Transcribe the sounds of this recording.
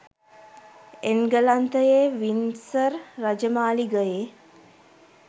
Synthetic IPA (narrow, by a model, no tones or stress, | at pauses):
enɡəlant̪əjeːʋinsəɾːɐd͡ʒəmaːliɡəjeː